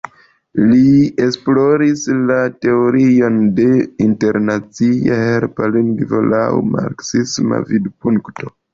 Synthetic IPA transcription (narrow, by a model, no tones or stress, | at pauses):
lie̞splo̞ɾislate̞oɾio̞nde̞inte̞ɾnat͡siaheɾpaliŋɡvo̰lawma̰ɾksisma̰vidpuŋktʰo̞